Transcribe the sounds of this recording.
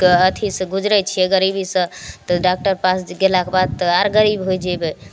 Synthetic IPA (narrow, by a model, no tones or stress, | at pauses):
kət̪ʰisə̃ɡud͡ʒɾət͡ʃʰieɡəɾibisə̃t̪ɔɖak̚ʈəɾpasɡelakebad̪̚t̪ɔaɾɡəɾibɦojd͡ʒɛbɛ